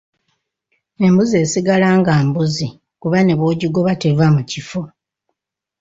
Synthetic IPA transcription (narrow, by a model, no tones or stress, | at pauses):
e̞mbuze̞ːsiɡalaːŋɡaːmbuzi | kuβane̞βoːɟiɡo̞βate̞vamucifo